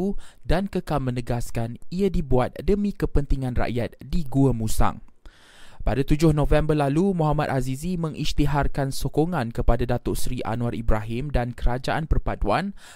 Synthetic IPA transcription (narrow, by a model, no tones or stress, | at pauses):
udankəkalmə̃nəɡaskaniadibuat̪̚dəmĩkəpənt̪iŋãnra̰ʔjat̪̚diɡuəmusa̰ŋ | padat̪ud͡ʒʊhnõvɛmbərlalumũɦamat̪̚azizimə̃ŋʔist̪iɦarkansokoŋãnkəpadadat̪ʊʔsɾiʔa̰nuaɾibɾaɦɪmdankəɾad͡ʒaʔanpərpaduan